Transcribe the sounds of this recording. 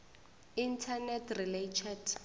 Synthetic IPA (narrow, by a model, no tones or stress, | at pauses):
intʰanɛtʰriletʰɛd